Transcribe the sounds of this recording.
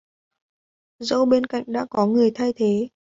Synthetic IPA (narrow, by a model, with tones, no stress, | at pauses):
zə˧wɓe˧nka̰˧˨jŋ̟ɗa̰ː˧˥kɔ˨˦ŋɨ˨˩əjt̪ʰa˧jt̪ʰe˨˦